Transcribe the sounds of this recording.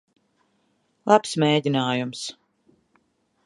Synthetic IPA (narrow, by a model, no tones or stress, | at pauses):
lˠapsmeːd̪ʲinaːjums